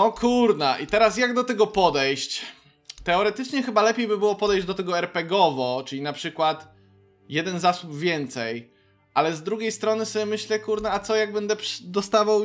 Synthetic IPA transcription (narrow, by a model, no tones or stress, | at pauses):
ɔkʰuɾnaʔit̪ɛɾasjaɡd̪ɔt̪ɛɡɔpɔd̪ɛjɕt͡ɕ | t̪ɛɔɾɛt̪ɘt͡ʂɲɛxɘbalɛpʲjejbɘbɘwɔpɔd̪ɛjʑd͡ʑd̪ɔt̪ɛɡɔɛɾpɛɡɔvɔt͡ʂɘlʲinapʂɘkwat̪ | jɛd̪ɛnzasubvʲjɛnt̪sɛj | ʔalɛzd̪ɾuɡʲejst̪ɾɔnɘsɔbʲjɛmɘɕlɛkuɾnaat̪sɔjaɡbɛnd̪ɛpd̪ɔst̪avaw